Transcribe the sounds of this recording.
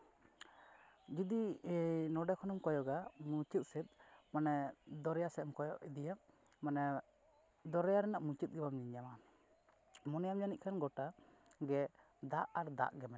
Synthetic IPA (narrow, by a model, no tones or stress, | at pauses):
d͡ʒid̪inɔɖɛkʰɔnɔmkɔjɔɡamut͡ʃit̪̚sɛt̪̚manɛd̪ɔɾɛjasɛɛmkɔjɔʔid̪ija | manɛ | d̪ɔɾɛjaɾɛnaʔmut͡ʃit̪̚ˀɡɛbamɲiɲama | mɔnɛjamjaniʔ̪̚kʰanɡɔʈaɡɛ | d̪aʔaɾd̪a̰ʔɡɛmɛ